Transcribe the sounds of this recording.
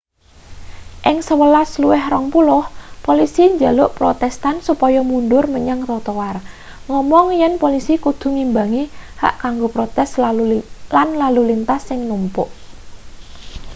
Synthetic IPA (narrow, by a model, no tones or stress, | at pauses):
ʔɪŋsəwəlasluwɛhrɔŋpulʊhpolisiɲd͡ʒalʊʔpɾot̪ɛst̪ansupɔjɔmunɖʊrməɲaŋrɔt̪ɔwar | ŋɔmɔŋjɛnpolisikud̪̥ṳŋimbaŋiha̰ʔkaŋɡopɾot̪ɛs | lanlalulint̪asːɪŋnumpʊʔ